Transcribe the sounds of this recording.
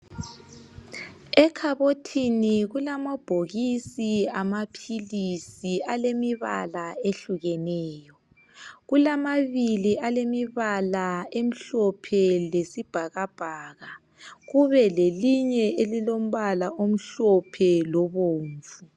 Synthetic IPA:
ɛkʰaβotʰiniɣulamab̥ʱoɣisiamapʰilisialemiβa̰laeɬuɣɛnɛːjɔ | ɣulamaβiliʔalemiβalaem̩ɬɔpʰɛlesib̥ʱaɣab̥ʱaːɣa | ɣuβɛleliɲɛelilom̩βalaʔom̩ɬɔpʰɛlɔβoːɱvu

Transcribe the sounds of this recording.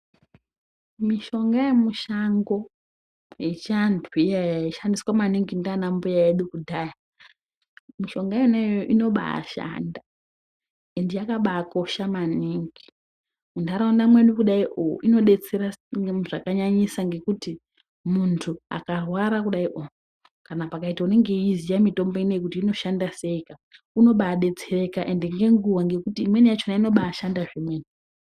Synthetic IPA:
miʃo̞ŋɡajemuʃaŋɡo̞ | jet͡ʃantʰijajaiʃandiswamaniŋɡindanambujaeɗukudʱaja | miʃo̞ŋɡaenejoʔino̞ɓa̰a̰ʃa̰nda | endijakaɓako̞ʃamaniŋɡi | undaɾaunamwe̞nikuɗaiʔo̰ʔino̞ɗe̞t͡se̞ɾaʐakaɲaɲisaŋɡe̞kuti | muntʰua̰karwaɾakuɗaiʔo | kanapakaitaune̞ŋɡe̞izijamito̞mbo̞inojekutiːno̞ʃandase̞ika | uno̞ɓaːɗe̞t͡se̞rekaʔe̞ndeŋɡe̞ŋɡuwaŋɡe̞kutiːmwe̞nijat͡ʃonaino̞ɓaːʃandaʐimweni

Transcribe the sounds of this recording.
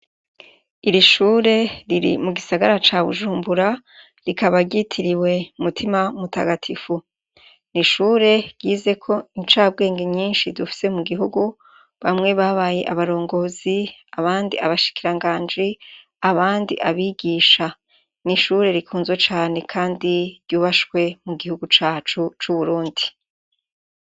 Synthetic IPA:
iɾiʃuːɾe̞ɾiɾḭmuɡisaɡaɾat͡ʃaβṵʒuːmbuɾa | ɾikaβaɟitʰiɾiwe̞umutʰimamuta̰ɡatʰifu | niʃuːɾe̞ɾɟiːze̞kʰo̞iɲt͡ʃaːb̚ɡe̞ːŋɡeɲiːnʃidufi̥se̞muɡiɦuɡu | βamŋe̞βaβaːje̞ʔaβaɾo̞ːŋɡo̞ːziaβaːndiaβaʃi̥kiɾaŋɡaːnd͡ʒi | aβaːndḭʔaβiːɡiːʃa | niʃuɾe̞ɾikʰuːnzwet͡ʃaːne̞kʰaːndiɾɟuːβaʃkwe̞muɡihuɡut͡ʃaːt͡ʃut͡ʃuβuɾuːndi

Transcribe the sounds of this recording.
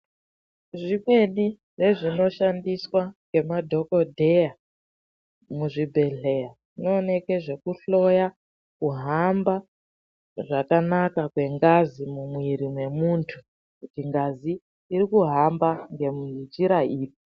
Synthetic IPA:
ʐimwe̞ni | ʐe̞ʐino̞ʃandiswaŋɡe̞madʱo̞ko̞dʱe̞ja | muʐibʱe̞ɮe̞jaʐino̞ːne̞ke̞ʐe̞kuɬo̞ja | kuɦamba | ʐakanakakwe̞ŋɡazimumwiɾimwe̞muntʰu | kutiŋɡaziː | ɾikuɦambaŋɡe̞mnd͡ʒiɾaiːpo

